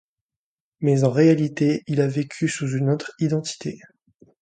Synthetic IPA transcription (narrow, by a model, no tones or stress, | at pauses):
mɛzɑ̃ʁealit̪eilavekʲʰysuzynot̪χid̪ɑ̃t̪ʰi̥t̪ʰe